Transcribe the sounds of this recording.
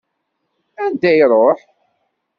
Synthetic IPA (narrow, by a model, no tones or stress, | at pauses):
ænd̪æjɾˤoħ